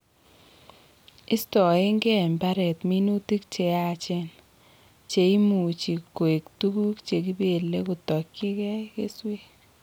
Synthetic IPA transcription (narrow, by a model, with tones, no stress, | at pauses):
ɪ˦stɔ˨ɪ˦ŋɡɛ˦ɛ˨mba˦ɾɛ˨tmi˦nu˦ti˦k̚t͡ʃe˨a˨t͡ʃɛ˦n | t͡ʃe˨i˦mu˨t͡ʃi˨ko˨e˨ktu˦ku˦kt͡ʃe˨ki˦be˨le˦kʊ˨tɔ˨kːɪ˦kɛ˦kḛ˦swe˦